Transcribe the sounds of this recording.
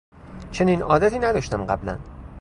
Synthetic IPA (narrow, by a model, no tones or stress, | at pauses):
t͡ʃʰe̞niːnɒːd̪æt̪ʰiːnæd̪ɒːʃt̪æmɢæ̰blæ̰n